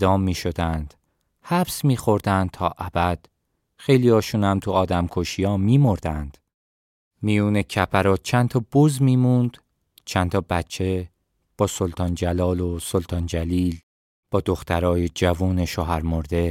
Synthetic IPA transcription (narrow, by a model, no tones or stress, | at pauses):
d̪ɒːmːiːʃo̞d̪ænd̪̥ | hæbsmiːxo̞ɾd̪ænd̪̚t̪ʰɒːʔæbæd̪̥ | xe̞jliɒːʃuːnhæmt̪ʰuɒːd̪æmkʰoʃijɒːmiːmo̞ɾd̪ænd̪̥ | mijuːne̞cʰæpʰæɾɒːt͡ʃʰænt̪ʰɒːbozmiːmund̪̥ | t͡ʃʰænt̪ʰɒːbæt͡ʃʰːe̞ | b̥ɒːso̞lt̪ʰɒːnd͡ʒælɒːlosolt̪ʰɒːnd͡ʒæliːl | b̥ɒːd̪oxt̪ʰæɾɒːjed͡ʒævuːne̞ʃoɦæɾmoɾd̪e̞